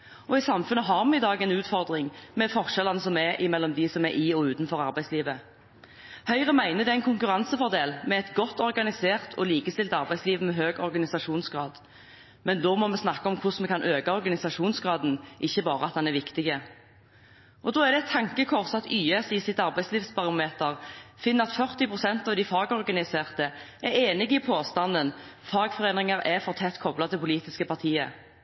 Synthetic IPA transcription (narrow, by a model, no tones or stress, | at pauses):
ɔɪsɑmfʉnːəɦɑːɾmɛɪd̪ɑːɡɛnʉːt̪fɔʁd̪ʁɪŋmɛfɔʁʃɛlɑnəsɔmɛʔɪmɛlːɔmd̪ɪsɔmɛɾʔɪɔʉːt̪nfɔɾɑɾbæɪsliːʋə | hœʏʁəmæɪnəd̪ɛæɪnkʰʊŋkʉʁɑnsəfɔʁd̪eːlmɛɛt̪ɡɔt̪ːɔɾɡɑnɪseːʁt̪ʰɔ̰liːkəst̪ɪlt̪ɑʁbæɪsliːʋəmɛɦøːɡɔɾɡɑnɪsɑʂuːnsɡʁɑːd̪ | mɛnd̪oːmɔmɛsnɑkːəɔmkʰʊsmɛkʰɑnʔøːkɑɔɾɡɑnɪsɑʃuːnsɡɾɑːd̪n̩ʔɪçːəbɑːʁəɑt̪̚d̪ɑnæɾʋɪkt̪ɪɡə | ʔɔd̪oːæʁd̪ɛt̪ʰːɑŋkəkʰɔʁsɑt̪yːɛsɪsɪt̪ɑʁbæɪsliːʋsbɑʁʊmeːt̪əʁfɪnːəʁɑt̪fœʁt̪ɪpʁʊsɛnt̪ɑʋd̪ɪfɑːɡɔʁɡɑnɪseːʁt̪əʔɛɾeːnɪɡɪpʰoːst̪ɑnd̪ənfɑːɡfɔʁeːnʁɪŋəʁɛfɔʁt̪ʰɛt̪ːkʰɔblɑt̪ʰɪlpʰʊliːt̪ɪskəpʰɑʁt̪ʰiːə̰